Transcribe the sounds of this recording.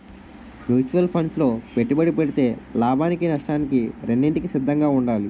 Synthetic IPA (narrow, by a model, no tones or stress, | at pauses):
mjuːt͡ʃuʋɐlpʰɐɳslo̞ːpeʈːibɐɽipeɽit̪e̞ːlaːbʱaːnikinɐʂʈaːnikiɾenːiɳʈikisid̪ʱːɐŋɡaːuɳɖaːli